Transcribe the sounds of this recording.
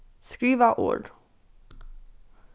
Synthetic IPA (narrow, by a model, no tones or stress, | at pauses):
skɹiːʋəʔo̰ːɖ